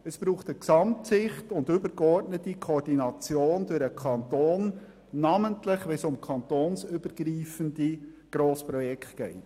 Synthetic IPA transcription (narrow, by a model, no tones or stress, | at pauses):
əsb̥ɾuːχtəksɑmtsɪχtʊndʏbəɾɡɔrdnətikʰɔrdinɑt͡sjoːnd̥øɾəkʰɑntoːnː | ɑməntlɪχʋɛnsʊmkʰɑntoːnsʏbəɾɡ̥ɾiːfəndi | ɡ̥ɾoːspɾɔjɛktɡ̥ɛɪt